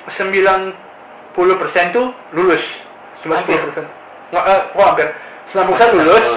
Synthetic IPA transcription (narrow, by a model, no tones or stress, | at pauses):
səmbilan | pulʊhpərsɛnt̪u | lulʊs | t͡ʃumbaʔsəpulʊhpərsɛn | ŋaʔəkkɔampɪr | suampursɛnlulʊs